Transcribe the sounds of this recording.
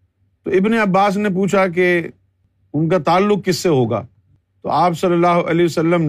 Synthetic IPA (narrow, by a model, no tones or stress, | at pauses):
t̪oɪbneɐbːaːs̬nep̬uːt͡ʃʰak̬e | ʊnkat̪aːlːʊk̚kɪsːeɦoːɡa̰ː | t̪o̰aːpsɐlːəlaːɦoʔɐleəsɐlːəm